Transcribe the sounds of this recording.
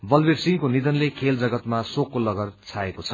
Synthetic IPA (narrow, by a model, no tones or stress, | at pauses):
bʌlbersiŋkonid̪ʌnlekʰeld͡zʌɡʌt̪masokːolʌɡʌrt͡sʰaekot͡sʰʌ̥